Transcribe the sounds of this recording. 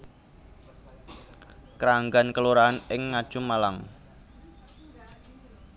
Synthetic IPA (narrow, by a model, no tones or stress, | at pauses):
kɾaŋɡankəluɾaanɪŋːad̥ʒ̥ʊmalaŋ